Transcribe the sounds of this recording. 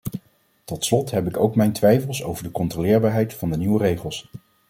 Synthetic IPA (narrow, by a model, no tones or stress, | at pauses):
tɔtslɔtɦɛpɪkowkmɛjntʋɛjfəlˠso̰wvəɹdəkɔntrolɪːɹbaːɹɦɛjtfɑndəniwərejχəlˠs